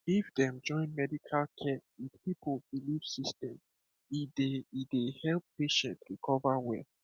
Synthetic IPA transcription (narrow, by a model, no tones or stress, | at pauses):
ifdɛ̃md͡ʒɔ̃ɪ̃nmɛdikʰalkʰɛidpipʰlbiliv̥sistɛ̃m | ideidehɛlppeʃɛ̃ntɹikʰɔvawɛ̰l